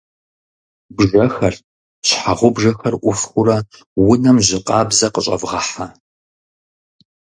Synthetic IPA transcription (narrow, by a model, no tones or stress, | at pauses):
bʒɐxɐr | ɕħaʁʷʊbʒɐxɐrʔʷʊfxʷʊɾɐ | wʊnɐmʑɪqʼɑːbzɐqəɕʼɐ̰vʁɐħa